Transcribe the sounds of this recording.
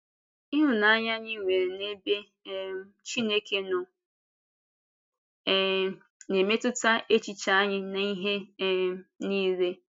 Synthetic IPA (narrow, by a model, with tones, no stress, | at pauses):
i˦ɦʊ˨na˦ɲa˦ɲɪ˦˨ŋʷe˨ɾe˨ne˦be˦ | t͡ʃi˦ne˦ke˦nʊ˨ | ne˨me˦tʊ˦ta˦e˦t͡ʃi˨t͡ʃa˦a˦ɲɪ˦na˨i˦ɦe˦ | ni˦ze˦